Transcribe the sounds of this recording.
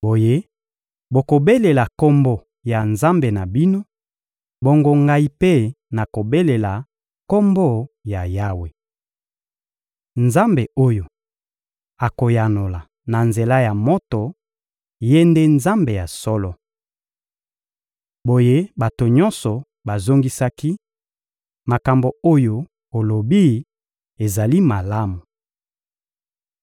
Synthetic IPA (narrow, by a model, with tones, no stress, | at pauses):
bo˨je˦ | bo˨ko˨be˦le˨la˨kɔ˦mbo˦ | ja˨nza˦mbe˨na˨bi˦no˦ | bo˦ŋɡo˦ŋɡa˦i˦pe˦ | na˨ko˨be˦le˨la˨ | kɔ˦mbo˦ja˨ja˦we˨ | nza˦mbe˨o˦jo˨ | a˨ko˨ja˨no˨la˨ | na˨nze˨la˦ja˨mo˦tɔ˨ | je˦nde˦nza˦mbe˨ja˨sɔ˦lɔ˦ | bo˨je˦ba˨to˨ɲɔ˦nsɔ˨ | ba˨zo˦ŋɡi˦sa˦ki˦ | ma˨ka˨mbo˨o˦jo˦ | o˨lo˨bi˦ | e˨za˨li˦ma˨la˦mu˨